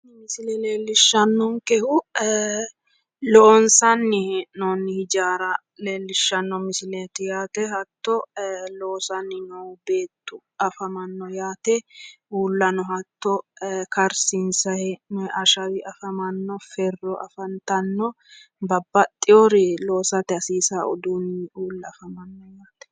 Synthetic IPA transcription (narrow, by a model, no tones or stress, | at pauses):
mɪsɪlɛleːlːɪʃːɐnːɔŋkɛhʊ | lɔʔɔnsɐnːɪnɔnːɪhɪd͡ʒaːɾɐ | le̞ːlːɪʃːɐnːɔmɪsɪlet̪ɪjaːt̪ɛɦɐt̪ːɔlɔːsɐnːɪnɔwbeːt̪ːʊ̥ | ʔɐfɐmɐnːɔjaːt̪ɛ | uːlːɐnɔɦɐt̪ːɔkɐɾsɪnsɐhɛɛʔɐʃɐwɪʔɐfɐmɐnːɔfɛrːɔʔɐ̰fɐnt̪ɐnːɔ | bɐbːɐt̪ʼːɪjɔɾɪlo̞ːsɐt̪ɛɐsiːsaɔ̰d̪uːnːɪuːlːɐɐfɐmɐnːɔjaːt̪ɛ̥